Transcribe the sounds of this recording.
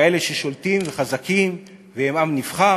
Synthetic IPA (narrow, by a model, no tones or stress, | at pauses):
eleʃeʃolt̪imveχazakim | veemamnifχa